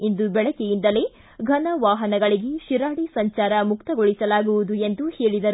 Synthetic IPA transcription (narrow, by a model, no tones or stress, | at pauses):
ind̪ubɛɭɐkejind̪ɐle | ɡʱɐnɐʋaːɦɐnɐɡɐɭiɡeʃiɾaːɽisɐɲt͡ʃaːɾɐmukt̪ɐɡoɭisɐlaːɡuʋud̪ue̞nd̪uhe̞ːɭid̪ɐɾu